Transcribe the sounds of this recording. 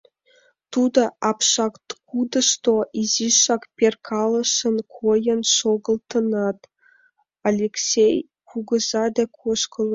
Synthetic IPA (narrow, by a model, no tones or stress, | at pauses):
t̪ud̪ə̆ʔɑpʃɑkt̪kud̪ə̆ʃt̪oʔiziʃɑkpʲerkʰɑlə̆ʃə̆nkʰojənʃoɣə̆lt̪ə̆nɑt̪ | alʲeksʲej | kʰuɡə̆zɑd̪ekʰoʃkə̆lˠ